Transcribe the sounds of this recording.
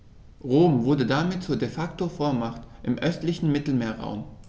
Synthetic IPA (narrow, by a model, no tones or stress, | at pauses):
ʁoːmvʊɐdədamɪt̚t͡suːɐdefaktofoːɐmaχtʔɪmʔœstlɪçn̩mɪtl̩meːɐʁa̰ʊm